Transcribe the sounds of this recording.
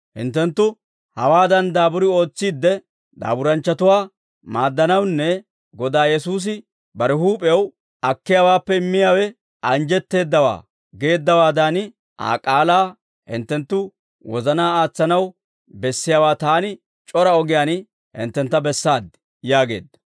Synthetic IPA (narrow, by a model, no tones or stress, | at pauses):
hɪ̰nt̪ːɛnt̪ːʊ | hɐwaːd̪ɐnd̪aːbʊɾɪo̞ːt͡sːiːd̪ːɛ | d̪a̰ːbʊɾɐnt͡ʃːɐt̪ʊwaː | maːd̪ːɐnɐwnːɛ | ɡɔd̪aːjɛsuːs̬ɪ | bɐɾɪɦuːpʼw | ɐkːɪjaːwaːpːɛɪmːɪjaːwɛ | ʔɐnd͡ʒɛt̪ːe̞ːd̪ːɐwa̰ː | ɡe̞ːd̪ːɐwaːd̪an | ʔa̰ːkʼaːlaː | hɪ̰nt̪ːɛnt̪ːʊ | wɔzɐnaːaːt͡sːɐnɐw | bɛsːɪjaːwaːt̪aːnɪ | t͡ʃʼɔɾɐɔɡɪjaːn | hɪ̰nt̪ːɛnt̪ːɐbɛsːaːd̪ɪ | jaːɡe̞̰ːd̪ːɐ̥